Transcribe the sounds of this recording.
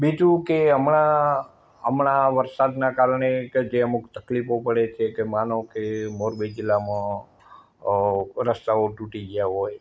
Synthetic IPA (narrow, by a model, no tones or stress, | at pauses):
bid͡ʒũkeəmɳa | əmɳaʋəɾsad̪nakaɾɳed͡ʒeəmukt̪əklifopəɽet͡ʃʰekemanõkemoɾbed͡ʒilamã | ɾəst̪aoʈuʈid͡ʒjaɦoj